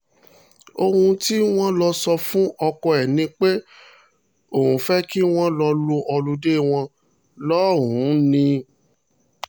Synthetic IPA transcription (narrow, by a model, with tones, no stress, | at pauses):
o˧hũ˧ti˦w̃ɔ̃˦lɔ˧sɔ˧fũ˦ɔ˧kɔ˧ɛ˨nĩ˧k͡pe˦ | o˨hũ˨˦fɛ˦ki˦w̃ɔ̃˦lɔ˧lo˧ʔɔ˧lu˧de˦w̃ɔ̃˧ | lɔː˦˨ɾũ˨˦nĩ˧